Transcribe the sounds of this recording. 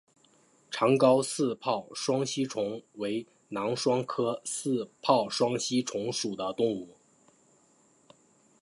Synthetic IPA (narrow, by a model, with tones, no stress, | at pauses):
ʈ͡ʂʰɑ˧˥ŋkɑ˥ʊsɹ̩˥˧pʰɑ˥˩ʊʂwɑ˥ŋɕi˥ʈ͡ʂʰʊ˧˥ŋwe˧˥ɪ | nɑ˧˥ŋʂwɑ˥ŋkʰɤ˥sɹ̩˥˧pʰɑ˥˩ʊʂwɑ˥ŋɕi˥ʈ͡ʂʰʊ˧˥ŋʂu˨˩d̪ə˦t̪ʊ˥˧ŋu˥˩